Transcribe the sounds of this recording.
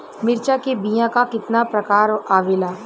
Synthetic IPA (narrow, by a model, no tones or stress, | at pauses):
mɪɾt͡ʃakebijãkakɪt̪napɾɐkaːɾʔaːʋeːlaː